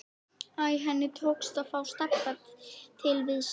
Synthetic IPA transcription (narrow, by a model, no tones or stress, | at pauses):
ajɦɛnːɪt̪ʰoːwkst̪afaːwst̪ɛpːat̪t̪ʰɪlvɪðs